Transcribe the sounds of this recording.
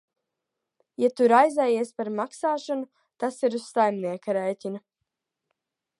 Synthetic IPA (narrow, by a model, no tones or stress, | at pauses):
jat̪uɾajzɛjiɛspaɾmaksaːʃɔnu | t̪asiɾussajmniɛkaɾɛjcʲina